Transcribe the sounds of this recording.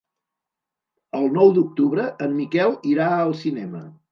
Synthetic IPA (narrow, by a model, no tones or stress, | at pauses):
əlˠnɔwd̪uk̚t̪uβɾəəmːikɛlˠiɾaəlˠsinɛmə